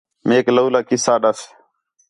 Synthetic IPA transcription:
meːkləuːlaːkɪsaːɗəs

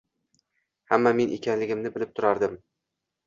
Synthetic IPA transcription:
hamːame̞nʔḛkʲʰanlɪɡʲɪmnɪbɪlɪp̚t̪ʰʊɾaɾd̪ɪm

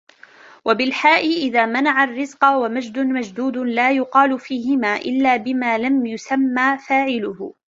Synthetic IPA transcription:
wʔabɪlħaːʔɪʔɪðaːmanaʕarːɪzqɑwamad͡ʒd̪ʊmad͡ʒd̪uːd̪ʊlaːjʊqɑːlʊfiːɦɪmaːʔɪlːaːbɪmaːlamjʊsamːaːfaːʕɪlʊhʊ

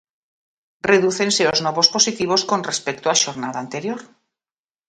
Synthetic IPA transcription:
reðuθe̞nse̞ozno̞β̞o̞spo̞sit̪iβ̞o̞sko̞nrespek̚t̪oaʃo̞ɾnaðaːnt̪e̞ɾjo̞ɾ

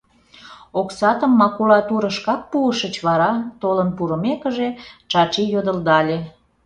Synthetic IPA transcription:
oksɑt̪əmːɑkulɑt̪uɾəʃkɑk̚puəʃət͡ɕβɑɾɑt̪olənpuɾəmekəʒet͡ʃɑt͡ʃijod̪əld̪ɑlʲe

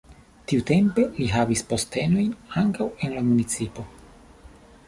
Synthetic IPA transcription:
tiute̞mpe̞liɦavispo̞ste̞no̞jnaŋkawe̞nlamunit͡sipo̞

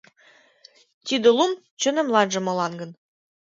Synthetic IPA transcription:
t̪id̪ĕlˠum | t͡ɕɤ̆nɘ̆mlˠɑnʒɤ̆mɤ̆lˠɑnɡɤ̆n

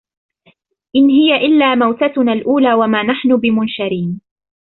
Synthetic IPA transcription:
ʔɪnɦɪjaʔɪlːaːmawt̪at̪ʊnaːlʔuːlaːwamaːnaħnʊbɪmʊnʃaɾiːn

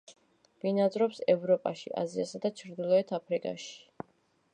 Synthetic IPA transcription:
vinad̪zɾɔpsɛvɾɔpʼaʃḭʔa̰ziasad̪at͡ʃʰɾd̪ilˠɔɛt̪ʰapʰɾikʼa̰ʃi̥

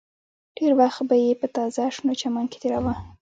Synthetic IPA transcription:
ɖ̥eɾwaxt̪bajepət̪ɑzaʂnot͡ʃamɑnke̥t̪eɾawa

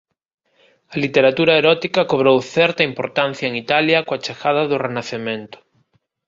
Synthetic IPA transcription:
alit̪eɾat̪uɾaeɾɔt̪ikakoβ̞ɾowθɛɾt̪aimpoɾt̪an̟θjaeŋit̪aljakoat͡ʃaxaðaðorenaθemẽnt̪ʊ̥

